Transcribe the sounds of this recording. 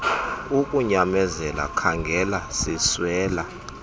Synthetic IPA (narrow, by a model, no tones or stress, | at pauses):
ukʼuɲamɛzɛla̰kʰaŋɡʱɛlasiswɛːla